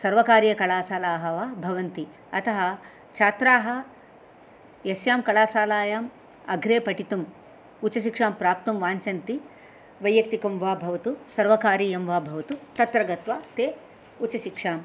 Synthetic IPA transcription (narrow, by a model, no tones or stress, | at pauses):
sɐɾʋɐkaːɾjɐkɐɭaːsaːlaːɦɐʋaːbʱɐʋɐnt̪i | ɐt̪ɐɦɐ | t͡ʃʰaːt̪ɾaːɦɐ̆ | jɐsjaːmkɐɭaːsaːlaːjaːm | ɐ̰ɡʱɾeːpɐʈit̪um | ut͡ʃɐʃikʂaːmpɾaːp̚t̪ɐmʋaːɲt͡ʃɐnt̪i | ʋɐjːɐk̚t̪ikɐmʋaːbʱɐʋɐt̪usɐɾʋɐkaːɾijɐmʋaːbʱɐʋɐt̪ut̪ɐt̪ɾɐɡɐt̪ʋaːt̪eː | ut͡ʃɐʃikʂaːm